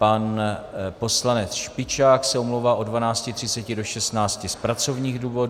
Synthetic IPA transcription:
panpo̞slanɛt͡sʃpɪt͡ʃaːksɛomlowvaːʔo̞dvanaːt͡scɪt̪r̥ɪtt͡sɛcɪdo̞ʃɛst̪naːt͡scɪspɾat͡so̞vɲiːɣduːvo̞d

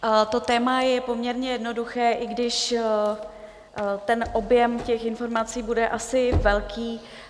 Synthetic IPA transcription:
t̪o̞t̪ɛːmajɛpo̞mɲɛɾɲɛjɛdno̞duxɛːʔɪɡdɪʃ | t̪ɛnʔo̞bjɛmcɛxɪnfo̞ɾmat͡siːbudɛʔasɪvɛlkʰiː

